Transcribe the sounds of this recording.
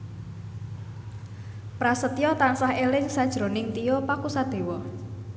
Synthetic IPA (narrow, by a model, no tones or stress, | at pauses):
pɾasət̪ijɔt̪ansahelɪŋsad̥ʒ̥ɾo̤nɪŋt̪ijɔpakusad̪̥e̤wɔ